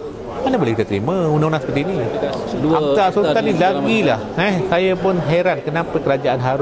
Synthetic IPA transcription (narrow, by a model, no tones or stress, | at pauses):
manabolɛkit̪at̪ɾḭmə̃unãunãŋsə̥pərt̪iːni | aasut̪anilaɡilahɛsajapʊnɦeɾankənãpakəɾad͡ʒaʔanɦaɾʊ